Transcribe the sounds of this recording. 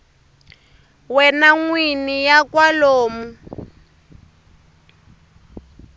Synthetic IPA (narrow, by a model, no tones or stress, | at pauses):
wɛnaŋwinijakwaloːmu